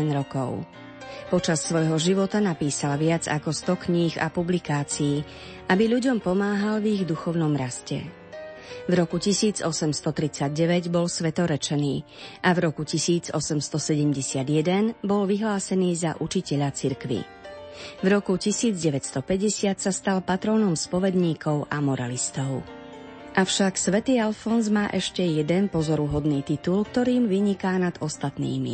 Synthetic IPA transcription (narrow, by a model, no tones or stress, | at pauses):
ɛnɾɔkɔ̰ʊ | pɔt͡ʃasːʋɔjɦɔʒiʋɔt̪anapiːsalʋɪad͡za̰kɔst̪ɔkɲiɣa̰publikaːt͡siː | ʔabiʎuɟɔmpɔmaːɦalviɣd̪uxɔʊn̪ɔmɾascɛ̰ | vɾɔkucisiːd͡zɔsɛmst̪ɔt̪ɾit͡saɟ̚ɟɛʋɛɟbɔlsʋɛt̪ɔɾɛt͡ʃɛniː | ʔavɾɔkucisiːd͡zɔsɛmst̪ɔsɛɟɛmɟɛsɪad̪jɛd̪ɛnbɔlʋiɦlaːsɛniːza̰ʔut͡ʃicɛʎat͡siɾkʋḭ | vɾɔkucisiːd͡zɟɛʋɛcst̪ɔpɛɟɛsɪat̪sast̪alpat̪ɾɔːnɔmspɔʋɛd̪ɲiːkʰɔʊʔamɔɾa̰list̪ɔʊ | ʔafʃaksʋɛt̪iːalfɔnzmaːʔɛʃcɛjɛd̪ɛnpɔzɔɾuɦɔd̪niːt̪it̪ulkt̪ɔɾiːmʋiɲikaːnad̪ɔst̪at̪nḭːmḭ